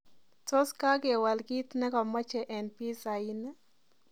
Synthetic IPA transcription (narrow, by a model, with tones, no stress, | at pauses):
to˦ska˦ɡe˨wa˨lɡi˦t̪nɛ˦kɔ˨ma˦t͡ʃɛ˨ʔɛ˨npi˦sa˨i˦nɛ˦